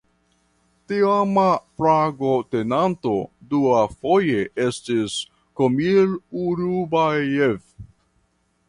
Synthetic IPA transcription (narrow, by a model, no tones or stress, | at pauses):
tiamapɾaɡo̞te̞nanto̞duafo̞je̞ʔestis | komiluɾubajev